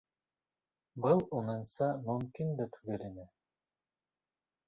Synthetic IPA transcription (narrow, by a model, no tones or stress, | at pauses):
bɤlˠunɤnsɑmɵmkind̪ɑt̪ʰʉ̥ɡɘ̆ɾɘ̆nɘ